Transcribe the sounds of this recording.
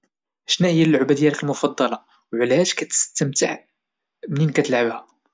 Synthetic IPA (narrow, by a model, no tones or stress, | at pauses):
ʔʃnæhəjːælːʊʕbæd̪əjːælkəlmʊfɑd̪ˤːɑlɑ | wʕlæhæʒkæt̪ə̥st̪əmt̪əʕ | mninkæt̪əlʕəbhæ